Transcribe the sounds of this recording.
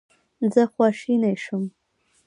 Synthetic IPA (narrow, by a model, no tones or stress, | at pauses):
nd͡zaχʷaʂinajʂɨm